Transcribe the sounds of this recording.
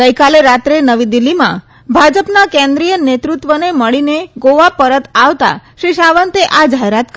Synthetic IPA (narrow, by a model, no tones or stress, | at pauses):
ɡəjkaleɾat̪ɾenəʋid̪ilːimã̰ | bʱad͡ʒəpnakẽnd̪ɾijənet̪ɾut̪ʋəneməɭineɡoʋapəɾət̪aʋt̪a̰ʃiʃaʋənt̪eʔad͡ʒaɦeɾat̪k